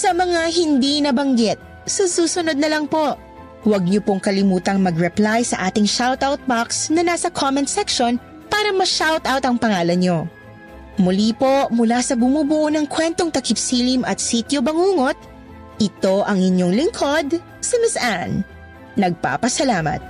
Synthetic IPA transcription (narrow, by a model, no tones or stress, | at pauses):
sɐmɐŋaɦɪnd̪inɐbɐŋɡɛt̪̚ | susuːsʊnod̪̚nɐlɐŋpo̞ʔ | wɐɡ̚ɲopoŋkɐlɪmuːt̪ɐŋmɐɡɹɛplajsɐʔaːt̪ɪŋʃawt̪awt̪̚baksnɐnaːsɐkʰomɛnt̪sɛkʃon | paːɾɐmɐʃawt̪awt̪ɐŋpɐŋaːlɐnɲo̞ | mʊliːpo̞mʊlasɐbʊmuːbʊʔonɐŋkwɛnt̪oŋt̪ɐkɪpsiːlimʔɐt̪̚sit̪jobɐŋuːŋo̞t̪̚ | ʔɪt̪o̞ʔɐŋɪɲoŋlɪŋkʰo̞d̪ | sɪmɪsʔanː | ɐɡ̚pa̰ːpɐsɐlaːmɐ̰t̪̚